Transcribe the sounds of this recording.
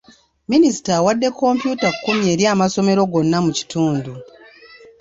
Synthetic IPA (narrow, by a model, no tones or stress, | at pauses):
minisi̥tawadːe̞kʰːo̞mpjuːtakukːumje̞ːɾjaːmaso̞me̞ɾo̞ɡo̞nːamuci̥tuːndu